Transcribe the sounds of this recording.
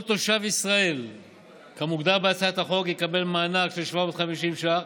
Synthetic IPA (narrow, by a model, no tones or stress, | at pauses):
t̪oʃavisʁae̞l | kamuɡd̪aʁbeat͡sat̪haχo̞kjikabe̞lmaːnakʃelʃvamo̞t̪χamiʃimʃa